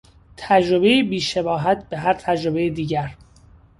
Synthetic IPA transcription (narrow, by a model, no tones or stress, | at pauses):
t̪ʰæd͡ʒɾobejibiːʃebɒːɦæt̪̚ʰbe̞ɦæɾt̪ʰæd͡ʒɾobe̞jed̪iːɟæɾ